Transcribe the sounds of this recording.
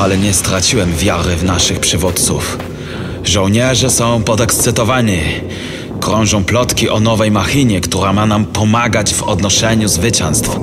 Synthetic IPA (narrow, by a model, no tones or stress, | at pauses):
alɛɲɛst̪ɾat͡ɕiwɛmvʲjaɾɘvnaʂɘxpʂɘvut̪t̪sṵf | ʐɔw̃ɲɛʐɛsɔ̃w̃pɔd̪ɛkst̪sɘt̪ɔvaɲi | kɾɔ̃w̃ʐɔ̃w̃plɔt̪kʲiʔɔnɔvɛjmaxiɲɛkt̪uɾamanampɔmaɡad͡ʑvɔd̪nɔʂɛɲuzvɘt͡ɕɛ̃ñst̪f